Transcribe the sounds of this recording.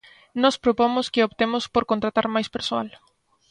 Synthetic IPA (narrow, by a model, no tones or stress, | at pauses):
nɔspɾopomʊskɪopt̪emʊspoɾkont̪ɾat̪aɾmajspeɾsoa̰l